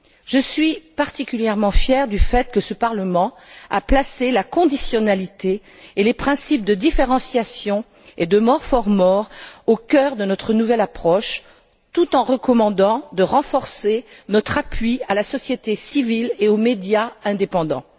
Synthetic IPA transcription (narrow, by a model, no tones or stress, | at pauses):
ʒ̥əsɥipaʁt̪ikʲyljɛʁmɑ̃fjɛʁd̪yfɛt̪̚kəsəpaʁləmɑ̃a̰plaselakɔ̃d̪isjɔnalit̪eː | lepχɛ̃sip̚d̪əd̪ifeʁɑ̃sjasjɔ̃ | ed̪əmɔʁfɔʁmɔʁokʲœʁd̪ənɔt̪χənuvɛlapχɔʃ | t̪ut̪ɑ̃ʁəkɔmɑ̃d̪ɑ̃d̪əʁɑ̃fɔʁsenɔt̪χapɥialasɔsjet̪esivileomed̪jaɛ̃d̪epɑ̃d̪ɑ̰̃